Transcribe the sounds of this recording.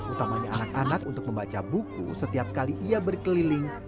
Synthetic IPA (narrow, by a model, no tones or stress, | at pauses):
ut̪amaɲaanakanakunt̪ʊk̚məmbat͡ʃabukṵsət̪iap̚kaliʔiabərkəlilɪŋ